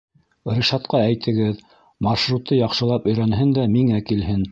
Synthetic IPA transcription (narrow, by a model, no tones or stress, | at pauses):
rʲiʃɑt̪qɑæjt̪ʰɘ̆ɡɘð | mɑʃɾut̪ːɤjɑqʃɤ̆lˠɑpɵ̆jɾænɦɘnd̪æmiŋækilɦɘn